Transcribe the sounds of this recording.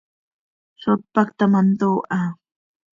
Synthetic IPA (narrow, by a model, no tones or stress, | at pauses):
sot̪̚pakt̪amant̪oːʔa